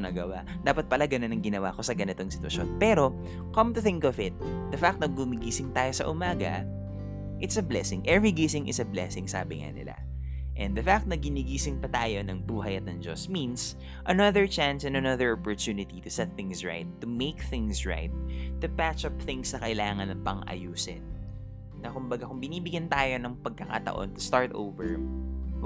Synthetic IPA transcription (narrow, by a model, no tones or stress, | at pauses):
nɐɡɐwa | d̪aːpɐt̪̚pɐlaɡɐnonɐŋɡɪnɐwa̰ːko̞sɐɡɐnɪt̪oŋsɪ̥t̪wɐ̰ʃo̞̰npɛɾo̞ | kɐ̃mt̪ʊθɪ̃ŋkɔvɪt̪̚d̪ɐfak̚t̪nɐɡ̚bʊmɪɡiːsɪŋt̪aːjo̞sɐ̰ʔʊmaːɡɐ̰ | ʔɪt̪sɐblɛsɪŋʔɛvɹiɡesɪŋʔɪ̰sɐblɛ̰sɪŋsa̰ːbɪŋa̰nɪ̰la̰ | ʔɛ̃nd̪ɐfak̚t̪̚nɐɡɪniɡiːsɪŋpɐt̪aːjo̞nɐŋbuːɦɐjɐt̪̚nɐŋd͡ʒo̞̰smins | ʔɐnɐðəɹt͡ʃãnsɛ̃nd̪ɐnɐðəɹʔɔpɔɹt̪juːnɪt̪it̪ʊsɛt̪̚θɪŋsɹa̰ɪt̪ːʊmeɪkθɪ̃ŋsɹa̰ɪt̪̚ːʊpæt͡ʃɐp̚θɪ̃ŋsnɐkɐʔɪlaːŋɐnɐpɐŋʔɐ̰juːsɪ̰t̪̚ | nɐkʊmbɐɡakʊŋbɪniːbɪɡjɐnt̪aːjo̞nɐŋpɐɡ̚kɐkat̪ɐ̰ʔo̞̰nt̪ʊ̥st̪aɹt̪ʔo̰wvɛɹ